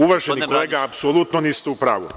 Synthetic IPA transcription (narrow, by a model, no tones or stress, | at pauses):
uʋaɾʒenikoleːɡaapsolˠut̪nonist̪uupɾa̰ːʋu